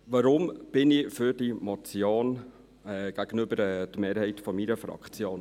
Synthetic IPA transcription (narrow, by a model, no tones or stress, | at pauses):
ʋɑɾʊmb̥ɪnɪfʏɾdimɔt͡sjoːn | ɛːɡ̥æɡ̥ənʏbəɾɛdmeːɾhɛɪtfɔmiɾəfɾɑ̰kχt͡sjoːn